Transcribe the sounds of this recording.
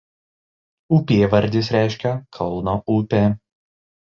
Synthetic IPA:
ʊpʲeːʋɐɾʲd̪ʲɪsɾʲæˑɪʃʲkʲɛkʰɒlˠnoːʊpʲeː

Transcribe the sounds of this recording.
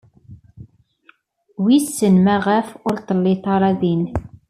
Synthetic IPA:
wisːənmæʁəfʊɾt̪ˤəlːiθɑɾˤɑðin

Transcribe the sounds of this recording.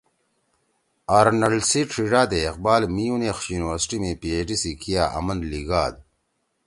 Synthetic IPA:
aːɾnɐlsiʈ͡ʂʰiɖaːd̪eːqbaːlmijunexɕjuːniwɐɾsʈimẽpieʈisikijaːʔɐ̰mɐnd̪liɡaːd̪

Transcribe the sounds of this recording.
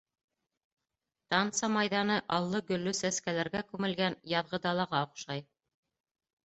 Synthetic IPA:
t̪ɑnt̪sɑmɑjðɑnɤʔɑlˠːɤɡɵ̆lːɵsæskælæɾɡækʉmɘ̆lɡænjɑðʁɤd̪ɑlˠɑʁɑŏqʃɑj

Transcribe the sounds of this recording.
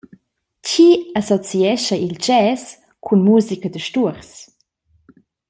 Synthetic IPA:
cʰiasɔt͡siɛʃɐild͡ʒɛːs | kʰunmuːzikɐdəʃtuəɾs

